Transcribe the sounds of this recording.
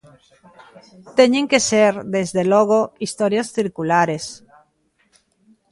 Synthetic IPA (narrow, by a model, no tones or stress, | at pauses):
t̪eɲẽŋkeseɾd̪ezðeloɣ̞oist̪oɾjasθiɾkulaɾes